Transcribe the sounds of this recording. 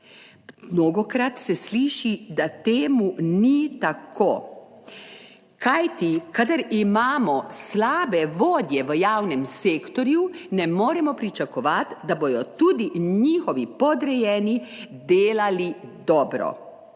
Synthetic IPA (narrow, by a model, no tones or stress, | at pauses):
mnoːɡɔkɾat̪sɛsliːʃid̪at̪eːmunit̪akʰoː | kajt̪ikad̪aɾimaːmɔslaːbɛʋoːd̪jɛʋəjaːwnɛmseːkt̪ɔɾjunɛmoːɾɛmɔpɾit͡ʃakɔʋat̪d̪aboj̪ɔt̪ud̪iɲɲiːxɔʋipɔd̪ɾɛjɛːnid̪eːlalid̪ɔːbɾɔ̰